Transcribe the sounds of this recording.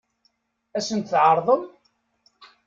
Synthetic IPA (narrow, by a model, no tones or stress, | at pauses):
æsənt̪θʕəɾˤðˤəm